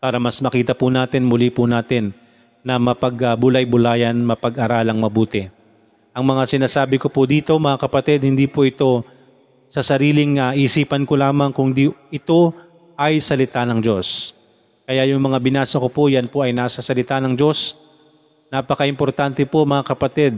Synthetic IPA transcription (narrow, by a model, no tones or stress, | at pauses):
paːɾɐmɐsmɐkiːt̪ɐpʊnaːt̪ɪnmʊlipʊnaːt̪ɪnː | ɐmɐpɐɡɐbʊlajbʊlaːjɐnmɐpɐɡɐɾaːlɐŋmɐbuːt̪ɛ | ʔɐŋmɐŋasɪnaːsaːbɪko̞pod̪iːt̪o̞mɐŋakɐpɐt̪ɛd̪̚hɪnd̪iːpoʔɪt̪o̞ | sɐsɐɾiːlɪŋɐʔiʔsiːpɐnkolaːmɐŋkʊŋd̪iʔɪt̪o̞ | ʔɐjsɐlɪt̪anɐŋd͡ʒo̞s | kɐjajʊŋmɐŋabɪnaːsɐko̞pojɐnpoʔɐjnaːsɐsɐlɪt̪anɐŋd͡ʒo̞s | napɐkɐʔɪmpo̞ɾt̪ant̪ɛpo̞mɐŋakɐpɐt̪ɛd̪̚